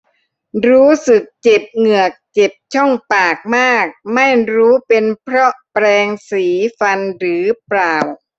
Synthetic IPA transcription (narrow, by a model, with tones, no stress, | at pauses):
ɾuː˦˥sɯ˨˩k̚t͡ɕe˨˩p̚ŋɯ˨˩ək̚t͡ɕe˨˩p̚t͡ɕʰɔ˥˩ŋpaː˨˩k̚maː˥˩k̚ma˥˩jɾuː˦˥pe˧npʰɾɔ˦˥ʔpɾɛː˧ŋsiː˩˦fa˧nɾɯː˩˦pɾaː˨˩w